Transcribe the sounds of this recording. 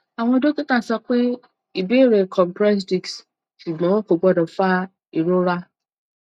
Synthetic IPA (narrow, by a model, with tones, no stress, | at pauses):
a˨w̃ɔ̃˦do˦ki˦kã˨sa˦k͡pe˦ | i˨be˦ɾe˨kʰɔ˨mpɾɛ˦s̬di˨ks | si˨ɡ͡bɔ̃˨˦ɔ̃˦ko˨ɡ͡bɔ˦dɔ˨fa˦ | i˨ɾo˦ɾa˦